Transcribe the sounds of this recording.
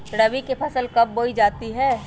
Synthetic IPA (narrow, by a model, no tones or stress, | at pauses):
ɾɐbikepʰɐsəlkɐb̚ːoːid͡ʒaːt̪iɦɛː